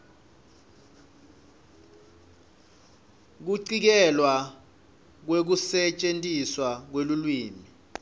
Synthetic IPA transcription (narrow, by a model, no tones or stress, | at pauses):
k̬uǀik̬ɛlwa | k̬wek̬usɛt͡ʃʼentʼiswak̬welulwiːmi